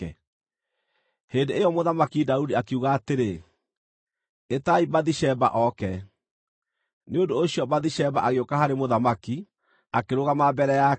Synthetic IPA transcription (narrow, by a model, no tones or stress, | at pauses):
ɛ | heːndeejɔmoðamakidaudiakeuɣaːteɾe | etaibaðiʃɛba̰ʔɔkɛ | neondoːɕijɔbaðiɕɛbaʔaɣeokahaɾemoðamaki | akeɾoɣamabɛɾɛja